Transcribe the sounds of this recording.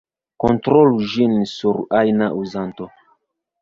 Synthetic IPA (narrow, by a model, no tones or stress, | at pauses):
kontɾolud͡ʒinsuɾajnaʔuzanto